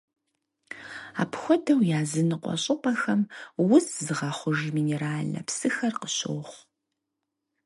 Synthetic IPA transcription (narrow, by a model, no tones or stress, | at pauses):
a̰ːpxʷɔdɐwjaːzɨnɨqʷʼɔ̰ɕʼɪpʼɐxɐmwʊszɨʁɑχʷʊʒmiːneɾaːɮɐ̰psɨxɐrqəɕo̰ːχʷ